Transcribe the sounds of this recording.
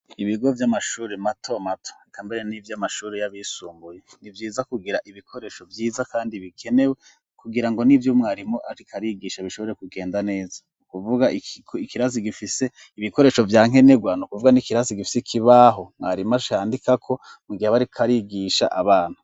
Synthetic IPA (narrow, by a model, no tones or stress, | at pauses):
iβiɡo̞vjamaʃuːɾematʰo̞matʰo̥kʰaːmbe̞ɾenivjamaʃuːɾejaβisuːmbujenivjiːzakuɡiɾaʔiβikʰo̞ɾe̞ʃo̞vjiːzakaːndiβikʰenewe | kuɡiɾaŋɡo̞nivjomŋaːɾimoʔaiikʰaɾiɡiʃaβiʃo̞βo̞ɾekuɡe̞ːndane̞ːza | ukuvuɡakʰikiɾaziɡifise̞ | iβiko̞ɾe̞ːʃo̞vjaːŋ̥e̞neɡwanukuvuɡanikiɾaziɡifi̥sikʰiβaɦo̞mŋaːɾimaʃaːndikakʰo̞ | miɡihaβaɾikʰaɾiɡiʃa̰ʔaβaːn̥hu